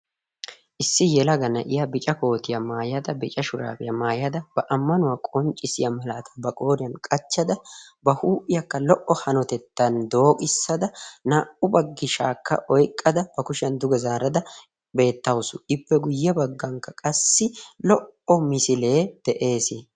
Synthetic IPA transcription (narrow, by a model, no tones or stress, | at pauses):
ʔɪsːɪjɛlɐɡɐnɐ̰ʔɪjɐbɪt͡ʃʼɐko̞ːt̪ɪjɐmaːjɐd̪ɐbɪt͡ʃʼɐʃʊɾa̰ːbɪjɐmaːjɐd̪ɐb̥ɐʔɐmːɐnʊwaːkʼɔnt͡ʃʼːɪsɪjɐmɐlaːt̪ɐ̥bɐkʼo̞ːɾɪjɐnkʼɐt͡ʃːɐd̪ɐbɐhuːʔɪjɐkːɐlɔʔːɔhɐnɔt̪ɛt̪ːɐnd̪o̞ːkʼɪsːɐd̪ɐnaːʔʊbɐɡːɪʃaːkːɐ̰ʔɔjkʼːɐd̪ɐb̥ɐkʊʃɪɐnd̪ʊɡɛzaːɾɐd̪ɐ | be̞ːt̪ːɐwʊsʊɪpːɛɡʊjːɛbɐɡːɐŋkːɐkʼɐsːɪlɔʔɔmɪsɪle̞ːd̪̥ɛʔe̞ːsɪ